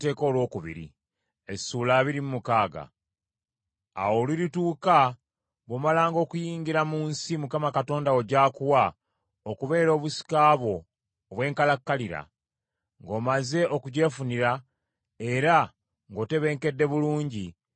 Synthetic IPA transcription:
te̞ːko̞ːlwo̞ːkuβḭɾḭ | e̞suːlaːβiɾimumukaːɡa̰ | a̰wo̞liɾituːka | βo̞malaːŋɡo̞ːkujiːŋɡiɾamuːnsimukamakato̞ːndao̞ɟaːkuwa | okuβe̞ːɾo̞ːβusi̥kaːβwo̞ː | βwe̞ːŋkalakːaliɾa̰ | ŋɡo̞ːmaze̞ʔo̞kuɟe̞funiɾa | e̞ɾa | ŋɡo̞ːte̞βe̞ːŋke̞dːe̞βuluːɲɟi

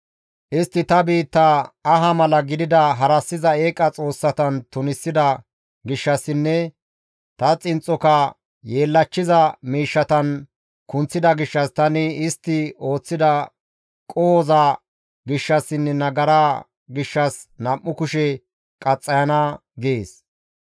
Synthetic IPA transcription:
ʔɪst̪ːɪt̪ɐbiːt̪ːɐɐɦɐmɐlɐɡɪd̪ɪd̪ɐɦɐɾɐsːɪzɐeːkʼɐt͡sʼo̞ːsːɐt̪ɐnt̪ʊnɪsːɪd̪ɐ | ɡɪʃːɐsːɪnːɛ | t̪ɐt͡sʼɪnt͡sʼːɔkɐ | je̞ːlːɐt͡ʃːɪzɐmiːʃːɐt̪ɐn | kʊnt͡sːɪd̪ɐɡɪʃːɐst̪ɐnɪɪst̪ːɪo̞ːt͡sːɪd̪ɐ | kʼoːzɐ | ɡɪʃːɐsɪnːɛnɐɡɐɾaː | ɡɪʃːɐsnɐmːʊkʊʃɛ | kʼɐt͡sʼːɐjɐnɐɡeːs

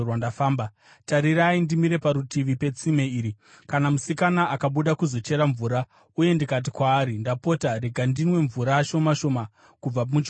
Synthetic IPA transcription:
wandafaːmba | taɾiraindimiɾe̞paɾutiʋipe̞t͡sime̞iːɾi | kanamusikanaʔakaɓuɗakuzo̞t͡ʃe̞ɾaɱvuːɾa | uje̞ndikat̬ikwaːɾindapo̞taɾe̞ɡʱandinwe̞ɱvuɾaʃomaʃo̞ma | kub͡vamut͡ʃ

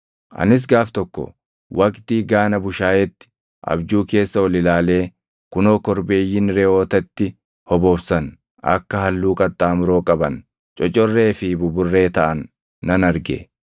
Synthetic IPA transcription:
ʔɐ̰nɪs̬ɡaːft̪ɔkːɔ̰ | wʔɐkʼt̪iːɡaːnɐbʊʃaːjɛt̪ːɪ̥ | ʔɐ̰bd͡ʒuːke̞ːsːɐwɐlɪlaːle̞ː | kʊnoːkɔɾbe̞ːjːɪnɾɛo̞ːt̪ɐt̪ːɪ | hɔboːbsɐn | ɐ̰kːɐɦɐlːuːkʼɐt̪ʼːaːmʊɾo̞ːkʼɐbɐn | t͡ʃʼɔt͡ʃʼːɔrːe̞ːfɪbʊbʊrːe̞ːt̪ɐʔɐnː | ɐnɐɾɡḛ

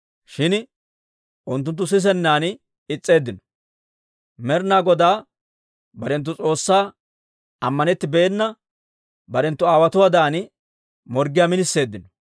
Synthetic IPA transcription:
ʃɪn | ʔʊnt̪ːʊnt̪ːʊs̬ɪs̬ɛnːaːn | ɪt͡sʼːe̞ːd̪ːɪnɔ̥ | mɛɾnaːɡɔd̪aː | bɐɾɛnt̪̬ːʊt͡sʼo̞ːsːaː | ɐmːɐnɛt̪ːɪbeːnːɐ | bɐɾɛnt̪ːʊaːwɐt̪ʊwaːd̪aːn | mɔɾɡɪjaːmɪnɪsːe̞ːd̪ːɪnɔ

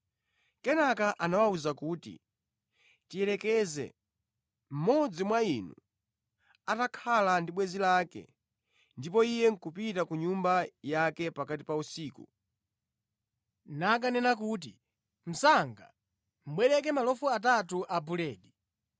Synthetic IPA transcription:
kɛnakaʔanawauzakuːtḭ | tijɛlɛkɛzɛ̰ | m̩mɔd͡zimwainu | atakʰalandiɓwɛzilaːkɛ̰ | ndipɔijɛŋ̩kupitakuɲumbajakɛpakatipausiːku | nak̬anɛnak̬ut̬ḭ | m̩saŋɡa̰ | m̩ɓwɛɾɛk̬ɛmalɔfuat̬atuʔabulɛːɗi

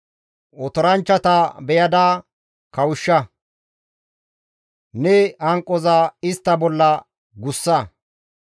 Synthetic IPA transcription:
ɔt̪ɔɾɐnt͡ʃːɐt̪ɐbɛjɐd̪aː | kɐwʊʃːɐ | nɛɐŋkʼːɔzaːɪst̪ːɐbɔlːɐ | ɡʊsːɐ

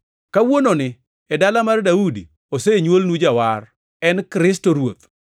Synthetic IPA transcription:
kawononɪ | ɛdalamardaudi | oseɲwolnud͡ʒawar | ɛnkɾɪstoɾwot̪̚

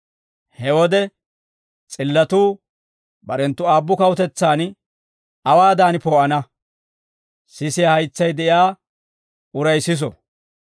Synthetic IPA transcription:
hɛwɔd̪ɛ | t͡sʼɪlːɐt̪uː | bɐɾɛnt̪ːʊaːbːʊkɐwʊt̪ɛt͡sːaːn | ɐwaːd̪aːnpoːʔɐnɐ | sɪsɪjahɐjt͡sːɐjd̪ɛʔjaː | ʊɾɐjsɪs̬ɔ̰

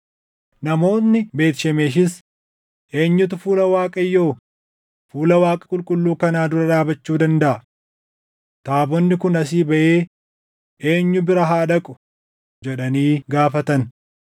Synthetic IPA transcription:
nɐmo̞ːtnːɪbe̞ːt̪ʃɛmeːʃ̬ɪs | ʔe̞ːɲːʊt̪̬ʊfuːlɐwaːkʼɐjːo̞ː | fuːlɐwaːkʼɐ̥kʼʊlkʼʊlːuːkɐnaːd̪ʊɾɐᶑaːbɐt͡ʃːuːd̪ɐnd̪ɐʔɐ | t̪aːbɔnːɪkʊnɐsiːbɐʔeː | ʔe̞ːɲːʊbɪɾɐɦaːd̪ɐkʼʊ̥ | d͡ʒɛᶑɐniːɡaːfɐt̪ɐn

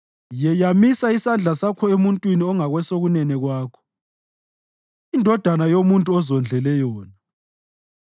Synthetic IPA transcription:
jɛjamisaisand͡ɮʱasakʰɔemuntʼwiniɔŋaɣwɛsoɣunɛnɛɣwaːkʰɔ̥ | indʱɔd̥ʱanajomuntʼuɔzɔnd͡ɮʱɛlɛjɔːna

